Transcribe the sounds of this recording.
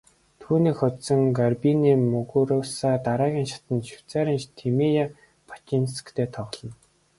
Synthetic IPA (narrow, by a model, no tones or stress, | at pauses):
t̪ʰuːniːkxʊt̪sə̆ŋɡarpiniːmɵɣuɾʊːwsaːt̪aɾaːɣʲiːŋʃḁt̪ə̆nʃʊ̥wʰt͡sæːɾiːnt͡ɕt̪ʰimija | pʰḁt͡ɕinskt̪ʰeːt̪ʰɔʁ̆ɮɞ̆n